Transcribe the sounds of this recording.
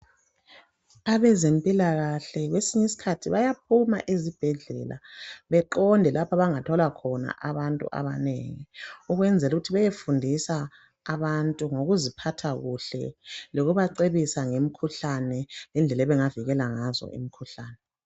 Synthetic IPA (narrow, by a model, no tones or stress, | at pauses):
aβɛzempʼilaɣaɬɛɣwesiɲisi̥kʰatʰiβajap̚ʰuma̰ʔizib̥ʱɛɮɛ̰lʔa̰βɛǃɔndʱɛlapʰaβaŋatʰɔlakʰɔna̰ʔaβantʼṵʔa̰βa̰nḛŋiuɣwɛnd͡zʱɛluɣutʰiβajefundʱisaː | βantʼuŋoɣuzipʰatʰaɣuɬɛ̰loɣuβaǀeβisaŋem̩kʰuɬanɛlɛnd͡ɮʱɛlɛβɛŋaviɣɛlaŋazɔ̰ʔḭmikʰuɬaːnɛ